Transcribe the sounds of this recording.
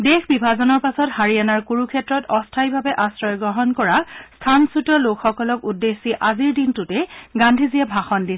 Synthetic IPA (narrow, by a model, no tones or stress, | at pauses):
dexbibʱazɔnɔɹpasɔthaɹianaɹkuɹukʰɛtɹɔtɔstʰajbʱabɛʔasɹɔjɔɡɹɔɦɔnkɔɹastʰansutɔlokxɔkɔlɔkudːesːiʔaziɹdintutɛɡandʱizijɛbʱaxɔndis